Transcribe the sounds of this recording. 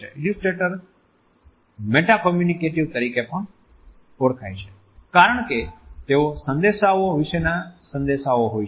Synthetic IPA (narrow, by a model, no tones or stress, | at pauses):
ḛɪlusʈɾeːʈəɾ | meːʈakɔːmjunikeʈɪʋt̪əɾiːkepəɳ | oɽkʰaːĩt͡ʃʰe̥ | kaːɾəɳ̃ket̪eosə̃nd̪esaʋoɦoʋiʃenasə̃nd̪esaoɦoːi